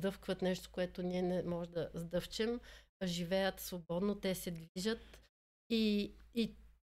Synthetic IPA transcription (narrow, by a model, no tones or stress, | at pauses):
d̪ɤfkvət̪nɛʃt̪o̥koɛt̪oniɛnɛmɔʒɛd̪ɐzd̪ɤft͡ʃɛmʒivɛjət̪svobɔd̪not̪ɛsɛd̪viʒət̪ | ii